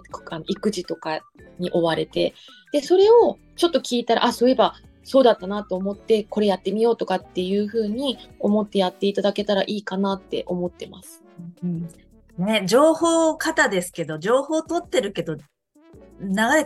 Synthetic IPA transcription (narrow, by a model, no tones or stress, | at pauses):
kano̞ʔikɯ̟ʑit̪o̞ka | ɲ̟iʔo̞βaɾe̞t̪e̞ | d̪̥e̞so̞ɾe̞o̞ | t͡ɕo̞t̪ːo̞kʲiːt̪aɾa̰ʔaso̞ːje̞ba | so̞ːd̪at̪ːanat̪o̞ːmo̞t̪ːe̞ko̞ɾe̞jat̪ːe̞mʲijo̞ːt̪o̞kat̪ːe̞jɯ̟ːɸɯ̟ːɲ̟io̞mo̞t̪ːe̞jat̪ːe̞it̪ad̪ake̞t̪aɾaʔiːkanat̪ːe̞̰ʔo̞mo̞t̪ːe̞ma̰sɨ̥ɯ̃ɯ̟̃ɴ | ne̞d͡ʑo̞ːho̞ːkat̪ad̪e̞sɨ̥ke̞d̪o̞d͡ʑo̞ːho̞ːt̪o̞t̪ːe̞ɾɯ̟ke̞d̪o̞ | naɡa